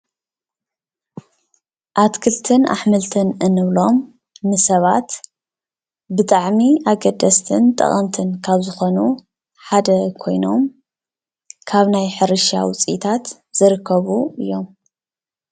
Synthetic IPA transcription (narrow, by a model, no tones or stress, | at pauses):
ʔat̪kʰɨlt̪ʰɨnʔa̰ħmɨlt̪ʰɨnɨnɨβlo̞m | nɨsɐβat̪ | bɨt̪ʼaʕmiʔaɡɐd̪ɐst̪ʰɨnt̪ʼɐ̰χʼɐmt̪ʰɨnkʰaβzɨxo̞nu | ħad̪ɐkʰo̞jno̞m | kʰaβnajħɨɾɨʃa̰wʊt͡sʼḭt̪ʰat̪ | z̥ɨɾɨkʰːɐβuɨjːo̞m